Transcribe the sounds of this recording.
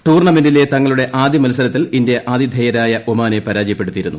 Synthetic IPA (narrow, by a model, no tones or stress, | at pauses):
ʈuːrɳɐmendile̞t̪ɐŋːɐɭuɽe̞ʔaːd̪ʱjimɐlsɐlɐt̪ːilinde̞ʔʔaːd̪jid̪ʱɐjɐɾaːjɐʔomaːne̞pɐɾaːd͡ʑijɐpːeɽut̪ːijiɾunːu